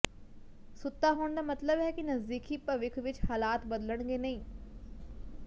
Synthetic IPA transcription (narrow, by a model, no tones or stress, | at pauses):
sʊt̪ːaɦoːɽ̃nd̪aːmɐt̪ləbɦɛkinɐzd̪iːkipɐʋɪkʰʋɪt͡ɕhaːlaːt̪bɐd̪ələɽ̃ɡenɐĩː